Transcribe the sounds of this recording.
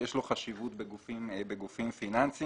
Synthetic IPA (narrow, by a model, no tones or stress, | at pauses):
eʃloχaʃivut̪beɡufimbeɡufimfinansi